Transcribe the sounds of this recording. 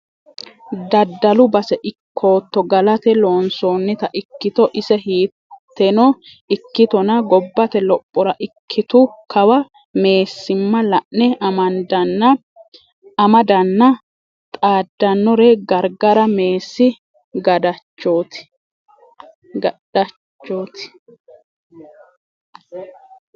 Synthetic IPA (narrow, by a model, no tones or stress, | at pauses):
d̪ɐd̪ːɐlʊbɐsɛʔɪkʰːo̞ːt̪ːɔɡɐlɐt̪ɛlo̞ːnsoːnːɛt̪ɐʔɪkːɪt̪ɔʔɪsɛɦiː | t̪ːɛnɔ | ɪkːɪt̪ɔnɐɡɔbːɐt̪ɛlɔpʼːɔɾɐʔɪkʰːɪt̪ʊkɐwɐ | me̞ːsːɪmːɐlɐʔnɛʔɐmɐnd̪ɐnːɐ | ɐmɐd̪ɐnːɐ | t̪ʼaːd̪ːɐnːɔɾɛɡɐɾɡɐɾɐme̞ːsːɪ | ɡɐd̪ɐt͡ʃːoːt̪ɪ̥ | ɡɐ | ɐ | t͡ʃːoːt̪ɪ̥